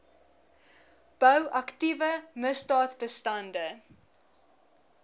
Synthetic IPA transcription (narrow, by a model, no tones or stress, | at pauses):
b̥œwʔɐktivəməsdɑːtbəstɐndə